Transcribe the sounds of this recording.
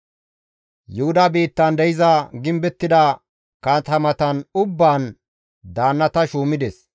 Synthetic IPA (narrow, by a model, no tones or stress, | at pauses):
jʊhʊd̪ɐbiːt̪ːɐnd̪ɛjɪzɐɡɪmbɛt̪ːɪd̪ɐ | kat̪ɐmɐt̪ɐnʊbːaːn | d̪aːnːɐt̪ɐʃuːmɪd̪ɛs